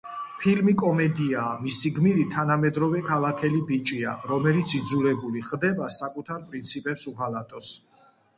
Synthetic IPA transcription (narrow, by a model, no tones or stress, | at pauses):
pʰilmikʼɔmɛd̪iaːmisiɡmiɾit̪ʰanamɛd̪ɾɔvɛkʰalˠakʰɛlibit͡ʃʼia̰ɾɔmɛlit̪sʰid̪zulɛbuliχd̪ɛbasakʼut̪ʰaɾpʼɾint̪sʰipʼɛpsuʁalat̪ʼɔs